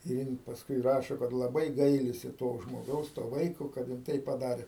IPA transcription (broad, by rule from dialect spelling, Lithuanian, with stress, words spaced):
ɪr ˈjɪn pɐsˈkʊɪ ˈrɑːʃoː kɐt lˠɐˈbɐɪ ˈɡɐɪlʲɪsʲɪ toː ʒmoːˈɡɐʊs toː ˈʋɐɪkoː kɐt jɪn ˈtɐɪp pɐˈdɑːrʲeː